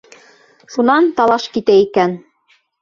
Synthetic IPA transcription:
ʃunɑnt̪ɑlˠɑʃkit̪æikæn

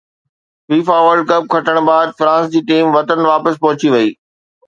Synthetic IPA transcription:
ʋiːfaːʋəɾɖkɐb̚kʰɐʈəɽ̃baːd̪̚fɾãːnsd͡ʑiːʈiːmʋɐt̪ənʋaːpəs̬pɐɦʊt͡ɕiʋɐiː

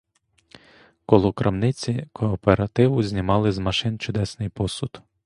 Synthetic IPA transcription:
kɔlˠʊkɾɐmnɪt͡sʲikʰɔːpeɾɐt̪ɪʋʊzʲnʲimɑlˠɪzmɐʃɪnt͡ʃʊd̪ɛsnɪjpɔsʊd̪

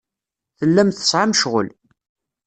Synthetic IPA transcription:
θəlːæmθə̥sˤʕamʃʁə̰l

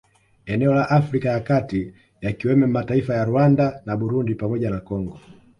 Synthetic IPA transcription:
ɛnɛɔlaʔafɾikajakati | jakiwɛmɛm̩mataifajaɾuandanabuɾundipamɔɟanakɔŋɡɔ

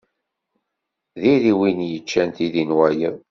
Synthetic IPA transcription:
ðiɾiwinjət͡ʃːænt̪iðinwæjə

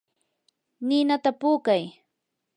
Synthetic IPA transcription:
nɪnat̪apuːkaj

